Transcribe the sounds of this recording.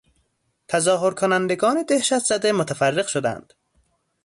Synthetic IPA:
t̪ʰæzɒːɦoɾkʰonænd̪eɡɒːned̪ehʃæt̪zæd̪emot̪ʰæfærːeɣʃod̪æ̰nd̪̥

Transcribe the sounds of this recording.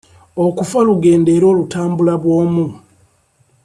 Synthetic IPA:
o̞kufaluɡe̞ːnde̞ːɾo̞ːlutaːmbulaβwo̞ːmu

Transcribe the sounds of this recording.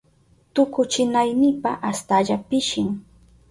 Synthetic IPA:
t̪ʊkʊt͡ʃɪnajnɪpaʔast̪aʎapɪʃɪŋ

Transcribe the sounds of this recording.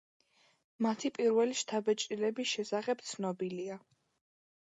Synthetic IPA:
mat̪ʰipʼiɾvɛliʃt̪ʰabɛt͡ʃʼɾilɛbisʃɛsaχɛb̥̚t̪sʰnɔbilia

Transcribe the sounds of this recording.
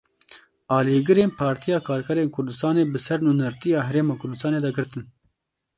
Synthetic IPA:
ɑːliːɡɨɾeːnpʰɑːɾt̪ʰijɑːkʰɑːɾkʰɛɾeːnkʰʊɾd̪ɨst̪ɑːneːbɨsɛɾnunɐɾt̪ijɑːɦɛɾeːmɑːkʰʊɾd̪ɨst̪ɑːneːd̪ɛɡɨɾt̪ɨn

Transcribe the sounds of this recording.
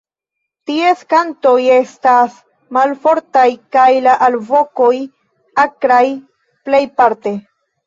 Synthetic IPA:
tie̞skanto̞je̞stas | malfo̞ɾtajkajlaʔalvoko̞j | akɾaj | ple̞jpaɾte

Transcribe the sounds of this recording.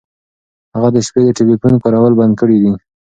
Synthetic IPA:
haɣad̪əʃped̪əʈɪbifunkaɾawəlband̪̚kəɽid̪i

